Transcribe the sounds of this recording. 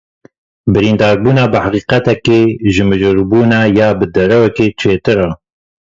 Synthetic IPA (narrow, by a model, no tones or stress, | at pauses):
bɨɾiːnd̪ɑːɾbuːnɑːbɨħaqiːqɛt̪ɛkeːʒɨmɨʒɨɾbuːnɑːjɑːbɨd̪ɛɾɛwɛkeːt͡ʃʰeːt̪ɨɾɑ